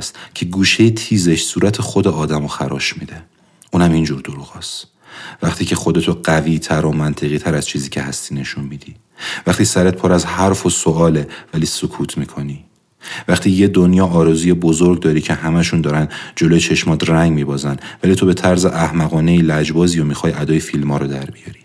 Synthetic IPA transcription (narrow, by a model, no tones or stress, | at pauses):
st̪cʰe̞ɡuːʃejet̪ʰiːzeʃsuːɾæt̪ʰexo̞d̪eɒːd̪æmoxæɾɒːʃmid̪e | ʔuːnæmind͡ʒuːɾd̪oɾuɣɒːst̪ | væχt̪iːcʰe̞xo̞d̪e̞t̪ʰoɢæviːt̪ʰæɾo̞mænt̪ʰe̞ɣiːt̪ʰæɾæz̥t͡ʃʰiːziːcʰe̞hæst̪iːne̞ʃunmiːd̪̥iː | væχt̪ʰiːsæɾet̪̚pʰoːɾæzhæɾfo̞soɒːle̞væliːsokʰuːt̪ʰmiːkʰo̞niː | væχt̪ʰiːjed̪onjɒːʔːɾɒzuːje̞bo̞zoɾɡd̪ɒːɾiːcʰehæmæʃund̪ɒːɾænd͡ʒo̞lojet͡ʃʰe̞ʃmɒːd̪ræŋɟmiːbɒːzænvæliːt̪ʰo̞be̞t̪ʰæɾzeʔæhmæɣɒːne̞iːlæd͡ʒbɒːziːjomixɒːjæd̪ɒːjefilmɒːɾɔd̪æɾbijɒːɾi